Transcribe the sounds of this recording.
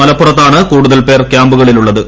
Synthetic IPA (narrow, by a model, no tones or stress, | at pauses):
ɐlɐpːurɐt̪ːaːɳɨkuːɽuðɐlpe̞ːrkjaːmbuɣɐɭiluɭːɐðɨ